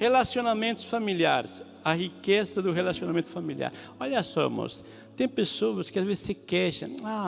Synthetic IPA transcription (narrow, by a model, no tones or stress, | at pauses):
helasionamẽnt̪ʊ̥sfamiliaɾɪs | ɐhikezɐd̪ʊɦelasionamẽnt̪ʊ̥familḭa̰ɾ | oʎɐsɔ̰mɔ̰s | t̪ẽj̃pesowɐskɪazvezɪ̥sɪkɛʃɐ̰̃a